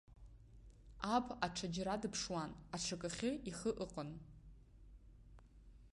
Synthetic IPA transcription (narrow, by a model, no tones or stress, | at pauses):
apʰʼaʈ͡ʂʰad͡ʒɾadɨpʰʂwanaʈ͡ʂʰakʼaχʲɪiχəʔɨqʼən